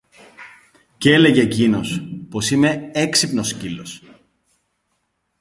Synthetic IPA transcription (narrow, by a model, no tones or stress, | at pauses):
ce̞le̞ʝeːcino̞spo̞sime̞eksipno̞scilo̞s